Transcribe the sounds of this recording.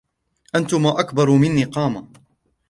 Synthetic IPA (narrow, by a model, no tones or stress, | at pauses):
ʔant̪ʊmaːʔakbɑɾˤmɪnːiːqɑːma